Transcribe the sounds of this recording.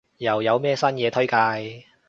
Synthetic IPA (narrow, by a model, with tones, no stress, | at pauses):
jɐ˨˩wjɐ˨˧wmɛː˥sɐ˥njɛː˨˧t̪ʰɵ˥ɥkaː˧j